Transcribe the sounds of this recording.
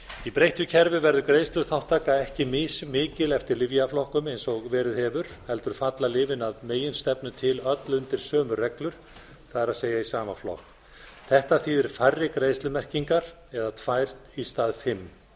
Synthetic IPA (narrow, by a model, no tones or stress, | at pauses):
ipɾejht̪ʏcʰɛɾvʏvɛɾðʏkɾeːjst̪lʏθawht̪ʰːaːkaɛhcɪmɪsmɪːcɪlɛft̪ɪɾlɪvjaflɔhkʏmejnsɔɣvɛːɾɪðhɛːvʏɾ̥hɛlt̪ʏɾ̥fat̪lalɪːvɪnaðmeːjɪnst̪ɛpnʏt̪ʰɪlœt̪lʏnt̪ɪɾ̥sœːmʏrɛklʏɾ̥ | θaðɪɾaðseːjaisaːmaflɔ̰hk | θɛht̪aθiðɪɾ̥farːɪkɾejst̪lʏmɛr̥ciŋkaɾ̥ | ɛðat̪ʰvajr̥t̪ist̪aːðfɪmː